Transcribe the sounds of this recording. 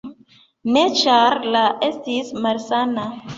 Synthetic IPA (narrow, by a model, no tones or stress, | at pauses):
net͡ʃaɾlaʔestismalsana